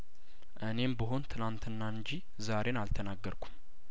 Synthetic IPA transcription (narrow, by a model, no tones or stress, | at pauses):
ʔɨne̞mbəɦo̞nt̪ʰɨnant̪ʰɨnːaɨɲd͡ʒi | zaɾe̞nalt̪ʰənaɡːəɾkʰu̥m